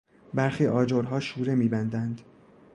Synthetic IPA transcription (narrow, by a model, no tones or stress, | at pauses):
bæɾxiːʔɒːd͡ʒoɾɦɒːʃuːɾemiːbænd̪ænd̪